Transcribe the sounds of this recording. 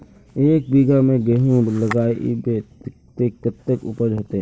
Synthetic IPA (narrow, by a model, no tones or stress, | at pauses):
eːk̚biɡamẽɡeɦũləɡaːeʔibe | t̪ekːət̪ːəkʊ̰pəɾd͡ʒʱət̪eɦ